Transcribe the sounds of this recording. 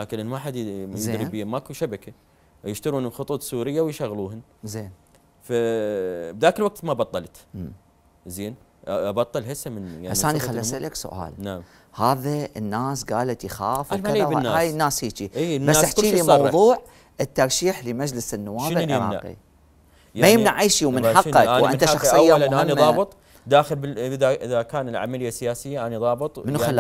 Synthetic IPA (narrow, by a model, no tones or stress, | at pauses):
laːkɪnʔɪnmaħad̪ɪzeɾːbiːmakuʃabaka | jɪʃt̪aɾuːnlxʊt̪ˤuːt̪ˤsuːɾɪjːawjʃaɣluːhʊn | zeːn | fa | b̚d̪aːkɪlwaɡ̚t̪mabɑt̪ˤːɑlt̪ː | zeːn | ɑbɑt̪ˤːɨlhɪsamɪnjaʕasːʔaːnixalːasalʔaksʊ̰ʔa̰ːlnaʕm | haːðaənːaːsɡaːlat̪jxaːfaaðawaːaːjnːaːshiːt͡ʃiibasʔħt̪ilimɑwðˤuːʕ | ɪt̪ːɑɾˤʃiːħlimad͡ʒlɪsɪnːʊ̰wːaːbɪlɾɑ̰aqḭ | majɪmnaʕaːʃiwmɪnħɑqːɑkawʔɪ̰nt̪aʃɑxsˤɨjːamamiðːˤɑːbɨt̪ˤ | d̪aːxəlbɪðaʔɪðakaːnɪlʕa̰malɪjːasːɪjaːsɪjːaʔaniðˤɑːbɨt̪ˤmɪnxalːa